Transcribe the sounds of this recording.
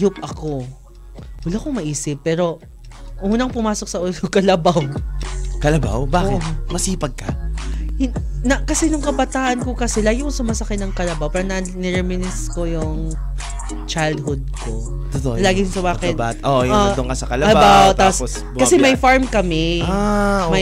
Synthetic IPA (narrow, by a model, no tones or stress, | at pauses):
jʊp̚ʔɐko̞ | wɐlakomɐʔiːsɪpːɛːɾo̞ | ʔuːnɐŋpʊmaːsok̚sɐʔʊlʊkɐlɐbaw | kɐlɐba̰wbaːkɪmɐsiːpɐɡ̚kɐ | nɐkɐsɛnʊŋkɐbɐt̪aːʔɐnkokɐsɛlaːɡɪkoŋsʊmaːsɐkanɐŋkɐlɐbawpaːɾɐnɐnɛɾɛmɪnɪsko̞jʊŋ | t͡ʃajld̪̚hʊd̪̚ko | t̪ot̪olaːɡɪjʊsɐbaːkɪt̪bat̪oʔjot̪oŋasɐkɐlɐbbawt̪apːos | kɐsɛmɐjfaɹmkɐmɛamɐj